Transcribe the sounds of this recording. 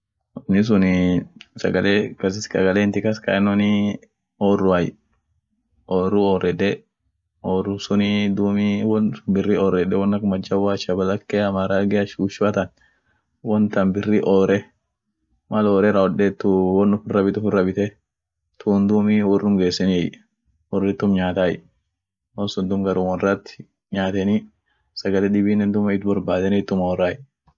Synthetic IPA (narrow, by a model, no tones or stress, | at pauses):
ɔnːɪs̬ʊn | sɐɡɐleːkɐsɪskɐɡɐleːnt̪ɪkɐskɐ̰ɪnɔnɪ | oːrːʊaj | ʔoːɾʊɔːɾɛᶑ̪ɛ | ʔɔːrʊsʊnɪd̪uːmiwɔnbɪrɪɔːɾɛᶑɛwɔnːɐkmɐd͡ʒːɐwaːt͡ʃɐbɐlɐkːɛɐmaːɾaːɡɛɐʃuːʃʊɐt̪ɐn | wɔnt̪ɐnbɪrːiʔɔːɾɛ | mɐloːɾɛrɐɔᶑɛt̪ːʊwɔnʊfɪrːɐbɪt̪ʊfɪrːɐbɪt̪ɛ | t̪ʰuːnd̪uːmiwɔrːʊŋɡeːsːɛnɪj | wɔrːɪt̪ːʊmɲaːt̪aːjɛ̰ | wɔnsʊnd̪ʊmɡɐɾʊmwɔnrɐt̪ːɪ̥ | ɲaːt̪ɛnɪ | sɐɡɐlɛᶑɪbiːnɛnd̪ʊmɐɪt̪bɐɾbaːd̪ɛnɪɪt̪ːʊmɔɔraːj